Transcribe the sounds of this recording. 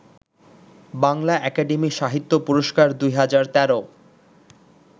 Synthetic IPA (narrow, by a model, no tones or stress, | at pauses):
baŋlaɛkaɖemiʃaɦit̪ːopuɾoʃkaɾd̪ujɦad͡ʑaɾt̪ɛɾo